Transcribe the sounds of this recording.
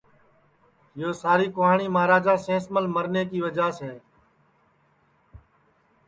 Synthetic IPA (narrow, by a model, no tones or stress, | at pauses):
joːsaːɾiːkʊɦaːɳiːmaːɾaːd͡ʒaːsẽːsməlməɾneːkiːʋəd͡ʒaːsɛː